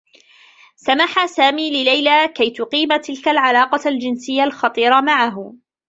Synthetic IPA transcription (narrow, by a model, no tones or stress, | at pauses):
samaħasaːmiːlɪlajlaːkajt̪ʊqiːmat̪ɪlkalʕalɑːqɑld͡ʒɪnsɪjːalxɑt̪ˤiːɾˤɑmaʕaɦʊ